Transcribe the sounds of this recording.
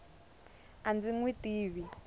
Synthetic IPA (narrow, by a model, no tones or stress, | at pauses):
and͡ziŋwitiːβi